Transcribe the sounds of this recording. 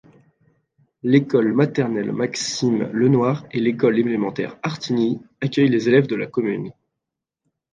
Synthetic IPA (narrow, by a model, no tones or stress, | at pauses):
lekɔlmat̪ɛʁnɛlmaksimlənwaʁelekɔlelemɑ̃t̪ɛ̰ʁaʁt̪ʰiniakʲœjlezelɛvd̪əla̰kɔmyn